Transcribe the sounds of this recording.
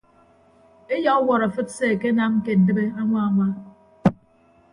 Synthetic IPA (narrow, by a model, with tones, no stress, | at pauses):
e˦jɔ˦wɔ˨ɾa˨fɨ˦t̚se˦˨ke˦na˦ŋ̩˦ke˨n̩˨dɨ˦be˦a˦ŋʷa˦a˨ma˦